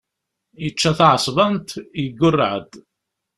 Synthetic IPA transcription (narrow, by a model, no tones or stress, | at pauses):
jət͡ʃːæθʕsˤðˤɑnt̪jəɡːʊrːəʕəd̪